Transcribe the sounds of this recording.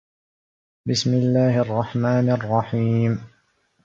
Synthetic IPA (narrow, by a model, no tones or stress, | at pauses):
bɪsmɪlːaːhʔɑrˤːɑħmaːnɑrˤːɑħiːm